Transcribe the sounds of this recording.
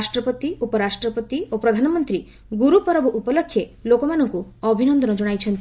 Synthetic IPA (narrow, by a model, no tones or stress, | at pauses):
sʈɾɔpɔt̪iupɔɾasʈɾɔpɔt̪iopɾɔd̪ʱanɔmɔnt̪ɾi | ɡuɾupɔɾɔbɔʔupɔlɔkʰːjelokɔmanɔŋkuɔbʱinɔnd̪ɔnɔd͡ʒɔɽ̃ajt͡ʃʰɔnt̪i